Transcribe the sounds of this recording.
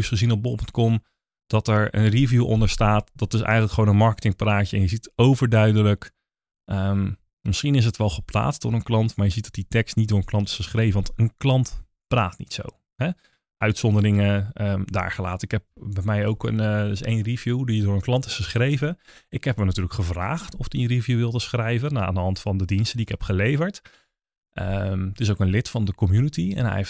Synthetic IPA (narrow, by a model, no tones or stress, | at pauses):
sχəzinɔb̚bopntkɔm | d̥ɑtɛɹə̰nrivjuʔɔ̰ndəɹstaːtd̥ɑtɪsɛ̰jχələkχəʋownənmɑɹkətɪŋpraːcəɛnjəzitowvəɹdœɥdələk | ʔəm | mɪsχinɪs̬ətʋɛlˠχəpla̰ːtsdʊːɹənklɑntmaːɹjəzit̚d̥ɑtditɛkstnit̚dʊːɹənklˠɑntɪ̥sχəsχrejvənʋɑntənklɑnt | praːtnḭtso̰w | hɛ | ʔœɥtsɔndərɪŋəəda̰ːɹχəla̰ːtəɪkhɛp̚bɛmɛjowkə̰nɪsḛjnrivjudiədʊːɹənklɑntɪ̥sχəsχrejvəʔɪkhɛpmənatyːləkχəvra̰ːχtɔfdiənrivjuʋɪlˠdəsχrɛjvənaa̰ːndəɦɑntfɑndədinstədiɪkɦɛpχəlejvəɹt | ʔə̰mtɪs̬owkənlɪtfɑndəkɔmjunətiɛ̰nɦɛ̰jef